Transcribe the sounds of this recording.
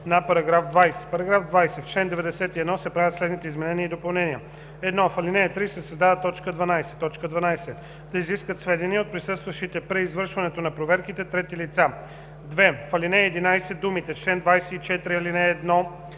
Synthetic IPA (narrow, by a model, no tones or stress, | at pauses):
nɐpɐɾɐɡɾafd̪vajsɛ̥pɐɾɐɡɾafd̪vajsɛft͡ʃlɛnd̪ɛvɛd̪ɛsɛt̪iɛd̪nɔsɛpɾavət̪slɛd̪nit̪ɛizmɛnɛniəid̪opɐlˠnɛniə | ɛd̪nɔfɐlinɛɛt̪ɾisɛsɐzd̪avət̪ɔt͡ʃkəd̪vɐnajsɛ̥t̪ɔt͡ʃkəd̪vɐnajsɛ | d̪̥ɐiziskət̪svɛd̪iniot̪̚pɾisɤst̪vɐʃit̪ɛpɾɛizvɤɾʃvɐnɛt̪onɐpɾovɛɾkit̪ɛt̪ɾɛt̪ilit̪sa | d̪vɛfɐlinɛːd̪inajsɛd̪umit̪ɛt͡ʃlɛnd̪vajsɛit͡ʃɛt̪ɾiɐlinɛːd̪nɔ